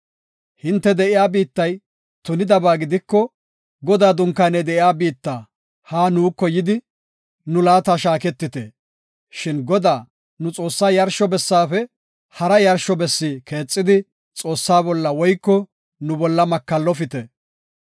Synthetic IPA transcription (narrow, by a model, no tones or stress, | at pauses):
hɪnt̪ːɛd̪ɛʔɪjaːbiːt̪ːɐj | t̪ʊnɪd̪ɐbaːɡɪd̪ɪkːɔ | ɡɔd̪aːd̪ʊŋkːaːnɛd̪ɛʔɪjaːbiːt̪ːaː | haːnuːkːɔjɪd̪ɪ | nʊlaːt̪aːʃaːkɛt̪ːɪt̪e | ʃɪnɡɔd̪aː | nʊt͡sʼo̞ːsːaːjɐɾʃɔbɛsːaːfɛ | hɐɾɐjɐɾʃɔbɛsːiːkʰe̞ːt͡sʼːɪd̪ɪ | t͡sʼo̞ːsːaːbɔlːɐwɔjkːɔ | nʊbɔlːɐmɐkːɐlːɔfɪt̪ɛ